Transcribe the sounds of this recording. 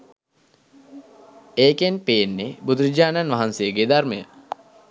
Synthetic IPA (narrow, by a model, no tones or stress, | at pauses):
eːkenpeːnːebud̪uɾid͡ʒaːnanʋaɦansejəɡeːd̪armejə